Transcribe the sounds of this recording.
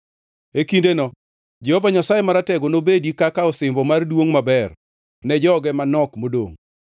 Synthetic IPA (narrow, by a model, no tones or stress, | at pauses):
ekindenɔ | d͡ʒɛhovaɲasajemaɾatɛɡonobedikakaɔsɪmbɔmardwoŋmabɛr | nɛd͡ʒɔɡɛmanɔkmodo̰ŋ